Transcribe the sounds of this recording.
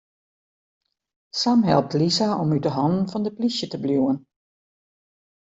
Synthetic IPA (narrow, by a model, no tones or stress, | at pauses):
samɦɛ̰lˠp̚tlisaɔmydəɦɔnən̩fɔndəplisjətəbljuwən